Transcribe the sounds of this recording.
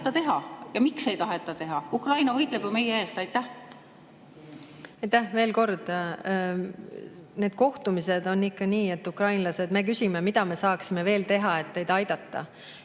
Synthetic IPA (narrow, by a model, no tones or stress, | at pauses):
t̪ːˑɑt̪e̞ɦɑjɑmikse̞jt̪ɑɦet̪ːˑɑt̪e̞ɦɑukrɑjnɑvɤjt̪ˑleb̥jume̞jee̞ːst̪ɑjt̪ːˑæh | ɑjt̪ːæhve̞ːlko̞rd̪̥ | ne̞ːd̪̥ko̞ht̪umise̞d̪̥o̞nːikːɑniːe̞t̪ːˑukrɑjnlɑse̞d̪me̞k̬ysʲime̞mid̪̥ɑme̞sɑːksime̞ve̞ːlt̪e̞ɦɑe̞t̪ne̞jd̪ɑjd̪̥ɑt̪ˑːɑ̰